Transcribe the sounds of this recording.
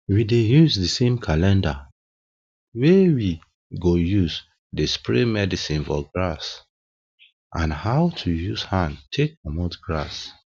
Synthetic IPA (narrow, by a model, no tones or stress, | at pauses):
widejuzdəsẽmkʰalɛ̃nda | wewi | ɡojuz | despɹemɛdisĩnfɔɡɹas | ʔãnhaʊtʰujuzhãntʰek̚ːɔmotɡɹa̰s